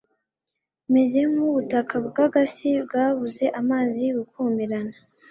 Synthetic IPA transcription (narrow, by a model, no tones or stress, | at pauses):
meze̞muβutakʰabɡaɡasibɡaːβuze̞ʔamaːziɡukʰuːmiɾana